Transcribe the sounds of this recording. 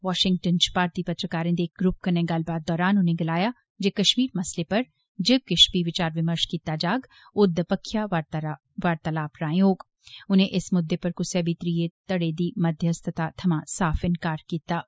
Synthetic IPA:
ʋaːʃɪ̃ŋɡ̚ʈənt͡ʃpaːɾt̪ipɐt̪ɾəkaːɾə̃d̪eːkɡɾʊp̚kɐnẽɡaːlbaːd̪ːɔːɾaːnʊnɦẽɡɪlaːja | d͡ʒekɐʃmiːɾmɐslepɐɾ | d͡ʒɪb̚kɪʃpiʋɪt͡ʃaːɾʋɪməɾʃkiːt̪ad͡ʒaːɡ | ʊd̪ːəpɐkʰːja | ʋaːɾt̪ɐlaːpɾaːjoːɡ | ʊnẽʔɪsmʊd̪ːepɐɾkʊseːbit̪ɾiːet̪ɐɽeːd̪iːmɐd̪ʱjəst̪ʰət̪at̪ʰɐmasaːfɪ̃nkaːɾkiːt̪aː

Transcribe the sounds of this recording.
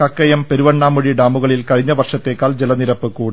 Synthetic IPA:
kɐkːɐjɐmpe̞ɾuʋɐɳːaːmuɻiɖaːmuɣɐɭilkɐɻiɲːɐʋɐrʂɐt̪ːe̞ːkːaːld͡ʑelɐniɾɐpːɨkuːɽ

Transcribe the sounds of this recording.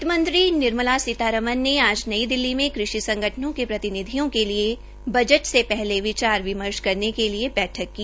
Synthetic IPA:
t̪mə̃nt̪ɾinɪɾməlasɪt̪aːɾəmənːeaːd͡ʒnɐid̪ɪlːimẽkɾɪʃisɐ̃ŋɡʱəʈʰənõkepɾɐt̪ɪnɪd̪ʱijõkelie | bɐd͡ʒəʈsepɛɦleʋɪt͡ʃaːɾʋɪməɾʃkɐɾnekeliebɛːʈʰəkːiː

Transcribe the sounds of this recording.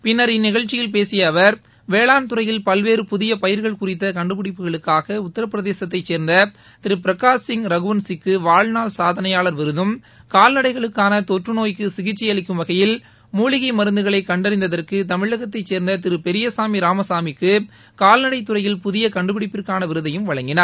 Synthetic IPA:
pɪnːɐɾɪnːɪɣɐɭt͡ʃːɪjɪlpeːsɪjɐːʋɐɾ | ʋeːɭaːnt̪ɯrɐjɪlpɐlʋeːɾɯpʊðɪjɐpɐjɪɾɣɐɭkʊrɪt̪̬ːɐkɐɳɖɯpɪɽɪpːɯɣɐɭɯkːaːɣɐʊt̪ːɐɾɐpːɪɾɐðeːsɐt̪̬ːɐɪt͡ʃːeːɾnd̪ɐ | t̪ɪɾɯpɪɾɐkaːsɪŋɾɐɣɯʋɐnsɪkːɯʋaːɭnaːlsaːðɐnɐjaːɭɐɾʋɪɾɯðɯm | kaːlnɐɽɐɪɣɐɭɯkːaːnɐt̪ɔʈrɯnoːjkːɯsɪɣɪt͡ʃːɪjɐɭɪkːɯmʋɐɣɐjɪl | muːɭɪɣɐɪmɐɾɯnd̪ɯɣɐɭɐɪkɐɳɖɐɾɪnd̪ɐðɐrkɯt̪ɐmɪɻːɐɣɐt̪ːɐɪt͡ʃːeːɾnd̪ɐt̪ɪɾɯpɛɾɪjɐsaːmiɾaːmɐsaːmɪkːɯ | kaːlnɐɽɐɪt̪ːɯrɐjɪlpʊðɪjɐkɐɳɖɯpɪɽɪpːɪrkːaːnɐʋɪɾɯðɐjɯmʋɐɻɐŋɡɪnɐɾ

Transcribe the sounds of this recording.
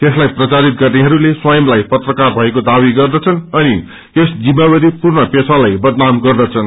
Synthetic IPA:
t̪eslajprʌt͡saɾit̪̚ɡʌrneɦʌɾuleswajʌmlajpʌt̪rʌkarbʱʌekod̪abiɡʌrd̪ʌt͡sʰʌnʌni | t̪esd͡zimːabʌɾipurnʌpesʰalajbʌd̪namɡʌrd̪ʌt͡sʰʌn

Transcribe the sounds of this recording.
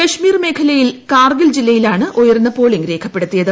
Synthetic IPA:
kɐʂmiːrme̞ːkʰɐlɐjilkaːrɡɐld͡ʑilːɐjilaːɳɨʔojɐrnːɐpo̞ːɭiŋɡɾe̞ːkʰɐpːe̞ɽut̪ːijɐðɨ

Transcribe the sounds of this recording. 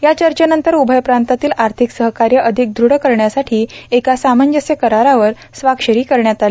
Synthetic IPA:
jat͡ɕəɾt͡ɕənənt̪əɾubʱəjpɾant̪at̪iːlaɾt̪ʰiksəɦkaɾjəʔəd̪ʱik̚d̪ʱɾuɽəkəɾɳjasaʈʰiːekasaməɲd͡ʑəsjəkəɾaɾaʋəɾ | sʋakʂəɾiːkəɾɳjat̪ale

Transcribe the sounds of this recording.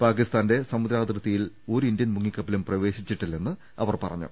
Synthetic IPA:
paːkist̪aːnde̞sɐmud̪ɾaːd̪rɐt̪ːijil | o̞ːɾind̪jɐnmuŋːikːɐpːilumprɐʋe̞ːɕit͡ɕːiʈːilːe̞nːɨ | ɐʋɐrpɐrɐ̰ɲːṵ

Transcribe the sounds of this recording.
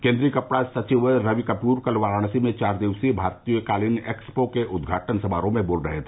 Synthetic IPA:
kẽːnd̪ɾikəpɽasət͡ʃiʋɾəʋikəpuːɾkəlʋaːɾaːnsimẽt͡ʃaːɾd̪eʋsibʱaːɾt̪ijəkaːlinekspokeʔʊd̪ɡʱaːʈʰənsəbaːɾõmẽboːlɾəɦet̪ʰe

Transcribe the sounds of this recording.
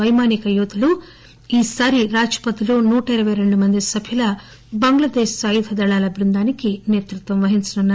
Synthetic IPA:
ɐjmaːnikɐjuːd̪ulu | iːsaːɾiɾaːd͡ʒɐ̥pɐt̪iloːnuːʈɐiɾɐʋɐjɾe̞ɳɖumɐnd̪isɐbʱilɐ | bɐŋɡɭɐd̪eːʃsaːjid̪ʰʱɐd̪ɐɭaːlɐbʱiɾund̪aːnikineːt̪ɾut̪ʋɐmʋɐɦint͡ʃɐnunːaː

